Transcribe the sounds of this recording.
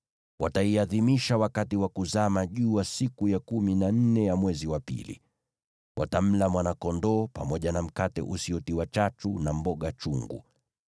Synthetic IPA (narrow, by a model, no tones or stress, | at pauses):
wʔataiaðimiʃawakatiwakuzamaʄuːwasikujakuminan̩nɛjamwɛziwapḭlḭ | wʔa̰tam̩lamwanakɔndɔːpa̰mɔʄanam̩katɛ̰ʔusiɔtiwat͡ʃatunambɔɠat͡ʃuŋɡṵ